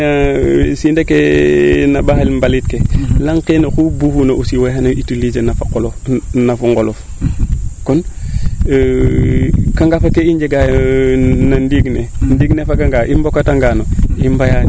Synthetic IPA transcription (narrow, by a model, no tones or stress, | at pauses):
asindekenabaxalmbalitkelaŋkenoxubuhunausiweɦanaitulid͡ʒenafakolnafuŋɡolof | kɔn | kaŋɡafakeiɲd͡ʒeɡaj | nandiɡnendiɡnefakaŋɡaʔimbokataŋɡanoimbajan